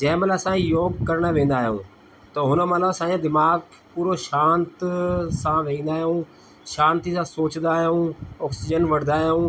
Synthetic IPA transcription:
d͡ʒɛ̃ːmələsãːijoːɡkəɾɳəʋẽːnd̪aːɦijõ̰ː | t̪ɐɦʊnəmələbsãːãd̪ɪmaːɡ | puːɾoʃãːnt̪sãʋeĩːnd̪aːɦjõː | ʃãːnt̪is̬ãsoːt͡ʃnd̪aːɦjõːɔːksɪd͡ʒənʋɐɽnd̪aːɦijõː

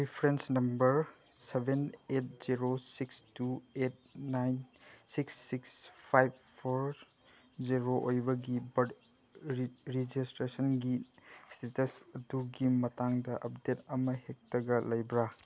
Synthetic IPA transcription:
ɾipʰɾensnɐmbɐɾ | sebenet̚ziɾosikstuet̚najnsiksːikspʰajb̚ | pʰoɾ | d͡ʒiɾoʔojbɐɡibɐd | ɾid͡ʒistɾesɐnɡistetɐsɐduɡimɐtaŋdɐʔɐp̚detɐmɐhek̚tɐɡɐlɐjbɾa

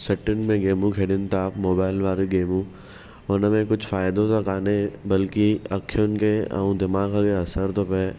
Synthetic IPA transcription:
sɐʈːɪn̆mẽɡeːmũkʰeːɽɪnɪ̆t̪aːfmoːbaːɪlʋaːɾiɡeːmũ | ʊnəmẽkʊd͡ʒʱʰfaːɪd̪õt̪akaːnebɐlkiɐkʰːijʊnɪ̆keɐ̰ũd̪ɪmaːɡkeɐsəɾt̪ʰope

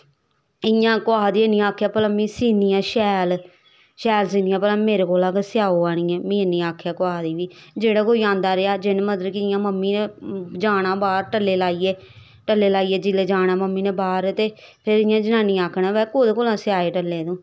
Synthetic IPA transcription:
ɪjãːkoaːd̪iːənːĩːaːkʰːjaːpəlãːmĩːsiːniːãːʃɛːl | ʃɛːls̬iːnĩːãːpəlãːmeːɾeːkoːlaːkesɪjaːoːaːñĩːɛ̃ːmĩːənːiːaːkʰjaːkoaːd̪iːʋiːd͡ʒeːɽaːkoːiːãːnd̪aːɾeaːd͡ʒɪnːməd̪ɾkɪɪjãːməmːiːnẽːd͡ʒaːɽ̃ãːbaːɾʈəlːeːlaːiːeː | ʈəlːeːlaːiːeːd͡ʒɪleːd͡ʒaːɽ̃aːməmːiːnẽːbaːɾt̪eːpʰɪɾɪjãːd͡ʒənãːniːaːkʰɳãːʋɛːkoːd̪eːkoːlãːsɪjaːeːʈəlːeːd̪õː

